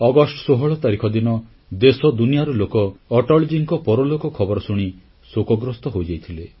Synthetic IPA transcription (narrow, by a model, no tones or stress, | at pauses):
ɔɡɔsʈɔ̥soɦɔɭɔt̪aɾikʰɔd̪inɔ | d̪esɔd̪unijaɾɔlokɔːʈɔɭd͡ʒiŋkɔpɔɾɔlokɔkʰɔbɔɾɔsuɽ̃i | sokɔɡɾɔst̪ɔɦojd͡ʒajt̪ʰile